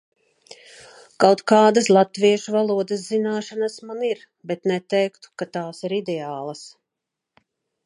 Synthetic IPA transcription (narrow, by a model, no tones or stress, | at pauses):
kawt̪kɑːd̪aslˠat̪viɛʃuvalˠuɔd̪əszinaːʃanasmaniɾ | bet̪nɛt̪ɛjkt̪u̥kat̪aːsiɾid̪ɛaːlˠas